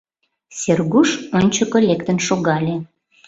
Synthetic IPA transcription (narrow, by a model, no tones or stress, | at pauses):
serɣuʃonʲt͡ɕəkolʲekt̪ənʃoɣɑlʲe